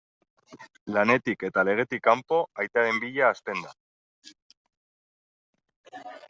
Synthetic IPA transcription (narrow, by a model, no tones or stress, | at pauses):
lane̞t̪ike̞t̪ale̞ɣ̞e̞t̪ikːampo̞ajt̪aɾe̞mbiʎaːst̪e̞nd̪a